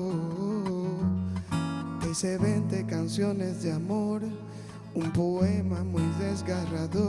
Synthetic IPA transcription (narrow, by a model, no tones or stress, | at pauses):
eseβent̪ekansjonezðɪamoɾ | umpoemamujðezɣaraðo